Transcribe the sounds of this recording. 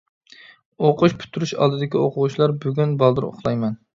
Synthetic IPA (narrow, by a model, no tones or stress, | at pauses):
oqʰʊʃpʰy̥t̪ʰːyɾyʃɑ̰lˠd̪ɨd̪ɪkʲioqʊwut͡ʃʰilˠɑɾbyɡʲynbɑlˠd̪ɨɾo̰χlˠɑjmɛn